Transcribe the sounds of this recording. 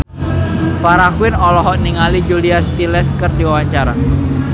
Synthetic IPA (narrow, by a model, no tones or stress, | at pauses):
faɾakwɪnɔlɔɦɔʔniŋalid͡ʒuliasp̪ilɛskərdiwawaɲt͡ʃaɾa̰